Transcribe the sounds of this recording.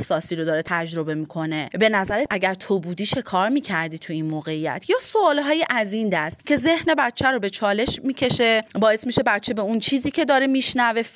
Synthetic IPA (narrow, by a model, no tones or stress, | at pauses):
hsɒːsiːɾod̪ɒːɾet̪ʰæd͡ʒɾo̞be̞miːkʰo̞ne̞be̞næzæɾeʔæɟæɾt̪ʰobuːd̪iːʃe̞kʰɒːɾmiːcʰæɾd̪iːt̪ʰuinmoːɣe̞ijæ̰t̪ʰjɒːsoɒːlɦɒːjiʔæzind̪æst̪cʰʲe̞ze̞hne̞bæt̪̚t͡ʃʰæɾobe̞t͡ʃʰɒːle̞ʃmiːcʰe̞ʃe̞bɒːe̞smiʃe̞bæt̪t͡ʃʰebe̞unt͡ʃʰiːziːcʰe̞d̪ɒːɾemiʃnæve̞